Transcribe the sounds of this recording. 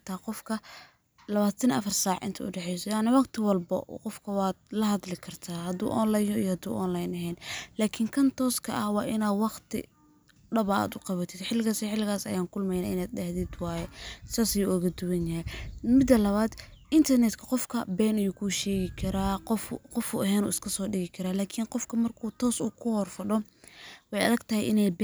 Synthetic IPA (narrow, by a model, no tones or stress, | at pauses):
t̪ʰaːqɔfkʰɐ | lɐβaːt̪ʰɐnɐ̰fɐrsaːʕʔɪ̰nt̪ʰɐʊ̰ɖɛħɛjsɔjaːnɐwɑqt̪ʰɪwɐlbɐ̰qɔfkʰɐwɑːd̪̚lɐɦɐðlɪkʰɐrt̪ʰaːhɐd̪ṵːʔɔ̰nlajɔḭjɔhɐd̪ṵːʔɔnlajnɐɦɛːnlaːkʰɪŋkʰɐnt̪ʰɔːskʰɐ̰ʔɐhwɑːʔɪnaːd̪wɑqt̪ʰɪ̰ | ɖɐβɐa̰ːd̪ʊqɑβɐt̪ʰɪd̪ħɪlːɪɣaːsiħɪlːɪɣaːsɐ̰jaːŋkʰʊlmɛjna̰ːɪnaːd̪̚ɖɐhðɪd̪wɑːjɛsaːsɐjuɔɣɐd̪ʊwɐnjɐɦɛjmɪd̪ːɐlɐβaːd̪ | ʔɪnt̪ʰɐrnɛt̪kʰɐqɔfkʰɐbɛːnɐjuːkʰuːʃɛːɣɪkʰɐɾaːqɔfqɔfṵʔɐɦɛːnṵːɪskʰɐsɔːɖɪɣɪkʰɐɾaːlaːkʰɪnqɔfkʰɐmɐrkʰuːt̪ʰɔːsuːkʰʊhɔrfɐɖɔ | wħejɐ̰ðɐɡt̪ʰɐhɛjʔɪnɛjb